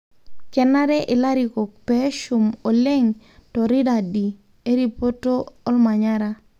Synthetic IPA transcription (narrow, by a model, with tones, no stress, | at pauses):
kɛ˨na˦ɾɛ˦ʔɪ˨la˦ɾi˨ko˨k̚pɛ˦ʃu˨mo˨le˦ŋ | tɔ˨ɾɪ˦da˨di˨ | e˦ɾi˨po˦to˦ɔ˦lma˨ɲa˦ɾa˦